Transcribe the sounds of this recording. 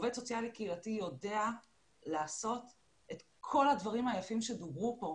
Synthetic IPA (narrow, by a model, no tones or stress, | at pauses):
vesot͡sialikeilatijo̞de̞a | laːso̞t | et | kʰo̞lhadvaʁimajafimʃedobʁupo̞